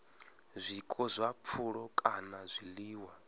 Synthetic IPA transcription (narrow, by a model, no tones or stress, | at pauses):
zʷikʼɔzʷap̪fʰuɺɔkʼanazʷiliːwa